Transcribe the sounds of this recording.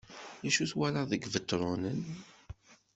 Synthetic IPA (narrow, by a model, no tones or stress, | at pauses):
ðæʃuθwælaðəɡvət̪ːɾˤunən